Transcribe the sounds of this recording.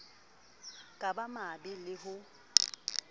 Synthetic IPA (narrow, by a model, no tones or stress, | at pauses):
kʼabamabɪlɪɦʊ